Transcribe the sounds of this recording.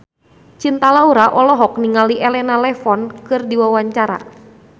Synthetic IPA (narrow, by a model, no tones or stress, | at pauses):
t͡ʃint̪alauɾaʔɔlɔɦɔk̚niŋaliʔɛlɛnalɛfɔnkɨrdiwawaɲt͡ʃaɾa̰